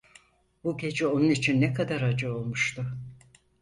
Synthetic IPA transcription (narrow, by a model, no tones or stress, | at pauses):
b̥uɟʲe̞d͡ʒio̞nunit͡ʃʰinːɛkad̪aɾad͡ʒɯo̞lˠmuʃt̪ʊ